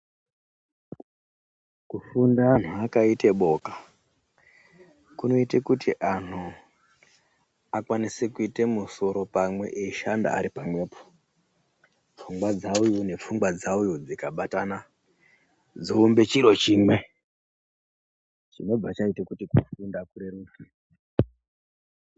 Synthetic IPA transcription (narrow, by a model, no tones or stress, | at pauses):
kufundan̤uakaite̞ɓo̞ːkḁ | kuno̞itekutiʔan̤u | akwanisekuite̞muso̞ɾo̞pamwe̞̰ʔeiʃanda̰a̰ɾipamwe̞ːpo̥ | p͡fuŋɡwad͡zaujune̞p͡fuŋɡwad͡zaujud͡zikaɓatana | d͡zoːmbe̞t͡ʃiɾo̞t͡ʃiːmwe | t͡ʃino̞b͡vat͡ʃaitekutikufundakuɾeɾuna